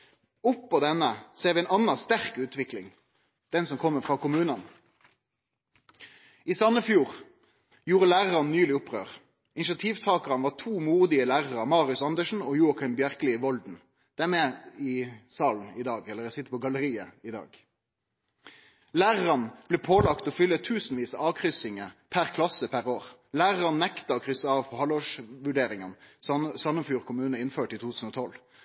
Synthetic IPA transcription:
ʊpːɔd̪ɛnəseːʁʋɪɛnɑnːɑst̪æʁkʉːt̪ʰʋɪklɪ̰ŋ | d̪̥ɛnsɔmkʰɔmːəfʁɑːkʊmʉːnən | iːsɑnːəfjuːʁ | juːʁəlæːʁəʁɑnnyːlɪʊpːʁø̰ːʁ | ɪnɪʃɑt̪ʰiːʋt̪ʰɑːkəʁɑnʋɑːt̪ʰuːmuːʁd̪ɪəlæːʁəʁəmɑːʁɪʉsɑnd̪əʃn̩ɔjuːɑkʰɑmbjæʁkəlɪʋɔld̪n̩ | d̪̥æmɛɪsɑːln̩ɪd̪ɑːɡɛləʁjæsɪt̪əpʰɔɡɑləʁiːəɪd̪ɑ̰ːɡ | læːʁəʁənb̥lɛːpʰoːlɑkt̪ɔːfʏlːət̪ʰʉːsn̩ʋiːsəɑːʋkʰʁʏsɪŋəpʰæʁkʰlɑsəpʰæʁoːʁ | læːʁəʁɑnnɛkt̪ɑɔkʰʁʏsəɑːʋpʰɔhɑlɔʂʋʉɖeːʁɪŋənsɑmənfjuːʁkʰʊmʉːnəɪnføːʈit̪ʰuːt̪ʰʉːn̩ɔt̪ʰɔl

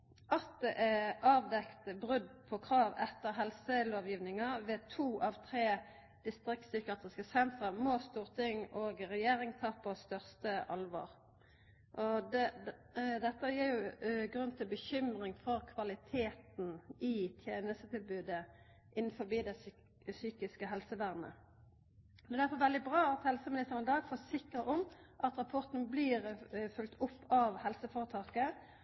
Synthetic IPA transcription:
ɑt̪̚d̪ɛʔɛɑːʋd̪ɛkt̪bʁʉd̪pʰɔkʰʁɑːʋɛt̪ːəʁɦɛlsəloːʋjiːʋnɪŋɑʋɛt̪ʰuːʔɑʋt̪ʰʁeː | d̪̥ɪst̪ʁɪk̚t̪sʏkəʁet̪ʁəskəsɛnt̪ʁəmɔst̪uːʁt̪ʰɪŋoːɡʁɛjeːʁɪŋt̪ʰɑːpɑst̪œʁst̪əʔɑlʋo̰ːʁ | ʔɔd̪ɛ | d̪ɛt̪ːəjiːʁjʊɡʁʉnt̪ʰɪlbəçʏmʁɪŋfɔʁkʰʋɑlɪt̪ʰeːt̪n̩ɪt̪ʰjeːnəst̪ət̪ʰɪlbʉːd̪ə | ʔɪn̩ːfɔʁbiːd̪ɛ | syːkɪskəɦɛlsəʋæʁnə̰ | ɛd̪æfɔʋɛld̪ɪbɾɑːɑt̪hɛlsəmɪnɪst̪əʁənɪd̪ɑːɡfɔːsɪkəɔmʔɑt̪ʁɑpʰɔʁt̪n̩bliːʁfʉlt̪ʰʊpːɑʋhɛlsəfoːʁət̪ʰɑːkə

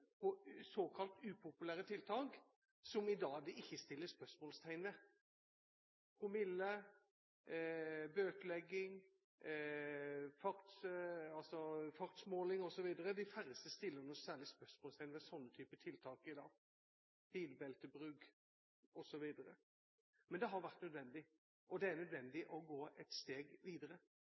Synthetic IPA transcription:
pʰɔsoːkʰɑlt̪ʉːpʰʊpʉlæːɾət̪ʰɪlt̪ʰɑːk | sɔmɪd̪ɑːd̪ɪʔɪçːəst̪ɪlːəspœsmɔːlst̪ʰæɪnʋɛ | pʰʁʊmɪlːə | bøːkəlɛɡːɪŋ | fɑʁt̪sɑlsɔfɑʁt̪smoːlɪŋɔsɔʋiːd̪əɾəd̪ɪfæɾəst̪əst̪ɪlːəɾnɔsæːʁɭɪspœʂmoːst̪ʰæɪnəʋɛsɔnːət̪ʰyːpət̪ʰɪlt̪ʰɑːkəɾɪd̪ɑːɡ | b̥iːlbɛlt̪əbɾʉɡ | ɔsɔʋiːd̪əɾə̰ | mɛnd̪ɛɦɑɾʋæʁt̪nœd̪ʋɛnd̪ɪ | ʔɔd̪ɛæɾnœd̪ʋɛnd̪ɪʔɔɡoːʔɛt̪st̪eːɡʋiːd̪əɾə

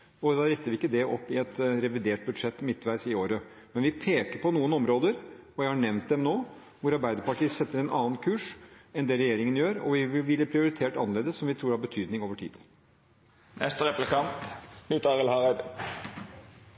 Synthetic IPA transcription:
ɔd̪ɑːɾɛt̪ːəɾʋɪɪkːəd̪ɛʔɔpːɪɛt̪ɾɛʋɪd̪eːʈ̚bʉd̪ʂɛt̪ːmɪt̪ːʋæɪsɪoːɾəmɛnʋɪpʰeːkəɾpʰɔnuːənɔmɾoːd̪əɾɔjæɪhɑɳɛʋnt̪̚d̪ɛmnoː | ʋʊɾɑɾbæɪd̪əpɑʈiːəsɛt̪ːəɾɛnʔɑ̰ːn̩kʰʉːʂɛnd̪ɛɾɛjeːɾɪŋənjøːɾɔ̰ʋɪʋɪʋɪlːəpʰɾɪʊɾɪt̪ʰeːʈɑnːəleːd̪əsːɔmʋɪt̪ʰɾuːɖhɑɾbət̪ʰyːd̪nɪŋoːʋəʈʰḭːd̪̥ | nɛst̪əʁɛplɪkʰɑnt̪nyt̪ɑʁəlhɑʁɛd̪

